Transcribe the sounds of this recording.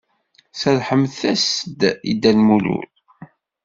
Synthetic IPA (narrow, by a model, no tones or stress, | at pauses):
sæðħəmθæsəd̪ḭd̪ːænmulṵl